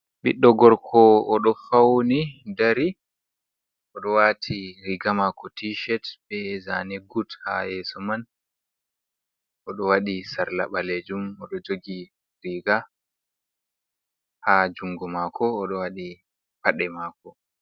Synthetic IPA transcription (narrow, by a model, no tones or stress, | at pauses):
ɓḭɗːɔɡɔɾkʰɔɔɗɔfawnidaɾi | ɔɗɔwatʰiɾiɡamakɔtiʃɛtbɛzanɛɡutha̰jɛːsɔman | ʔɔɗɔwaɗisaɾla̰ɓaled͡ʒumɔɗɔd͡ʒoɡi | ɾiɡa | had͡ʒuŋɡɔmakʰɔːɗɔwaɗi | paɗɛmaːkɔ